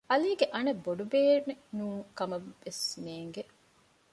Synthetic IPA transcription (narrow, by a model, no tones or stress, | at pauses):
ɐliːɡeʔɐnɐbːoɖubeːnːenuːkɐmɐʋːesneːŋɡe